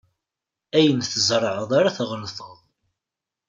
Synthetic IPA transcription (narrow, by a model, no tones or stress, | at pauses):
æjənθəzɾˤʕəðˤaɾaθʁnθəðˤ